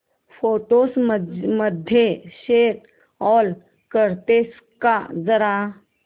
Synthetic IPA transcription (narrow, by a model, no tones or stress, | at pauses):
foʈosməd̪ʱjeɕet̪ | ɔl | kəɾt̪es | kad͡zəɾa